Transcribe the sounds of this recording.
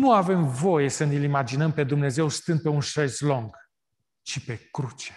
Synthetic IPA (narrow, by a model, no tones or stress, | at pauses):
nuave̞mvo̞je̞sənilimad͡ʒinəmpe̞d̪umne̞ze̞wst̪ɨnd̪̚pe̞unʃezlo̞ŋɡ | t͡ʃipe̞kɾut͡ʃe̥